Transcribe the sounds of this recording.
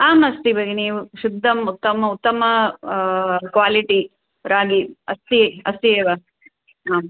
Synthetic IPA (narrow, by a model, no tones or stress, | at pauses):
aːmɐst̪ibʱɐɡeniːʋuʃud̪ʱːɐmut̪ːɐmɐut̪ːɐmɐ | kʋaːliʈi | ɾaːɡiɐst̪ieɐst̪ieːʋɐ | aːm